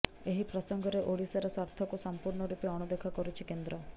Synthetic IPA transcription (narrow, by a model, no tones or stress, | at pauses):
eɦipɾɔsɔŋɡɔɾeʔoɽisaɾɔswaɾt̪ʰɔkusɔmpuɾɳɔɾupeɔɽ̃ud̪ekʰɔkɔɾut͡ʃʰikend̪ɾɔ